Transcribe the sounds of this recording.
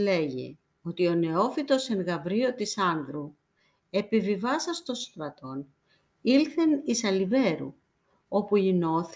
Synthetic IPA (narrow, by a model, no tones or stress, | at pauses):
le̞ʝḛ | o̞t̪io̞ne̞o̞fit̪o̞seŋɣɐvɾio̞t̪isɐnðɾu | e̞pivivɐsɐst̪o̞st̪ɾɐt̪o̞n | ilθe̞nisɐlive̞ɾṵ | o̞puino̞θ